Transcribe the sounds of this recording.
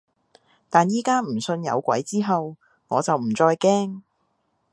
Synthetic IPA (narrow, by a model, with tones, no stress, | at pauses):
t̪aː˨njiː˥kaː˥m̩˨˩sɵ˧njɐ̰˨˧wkʷɐ̰˨˥jt͡siː˥ɦɐ˨w | ŋɔː˨˧t͡sɐ˨wm̩˨˩t͡sɔː˧jkɛː˥ŋ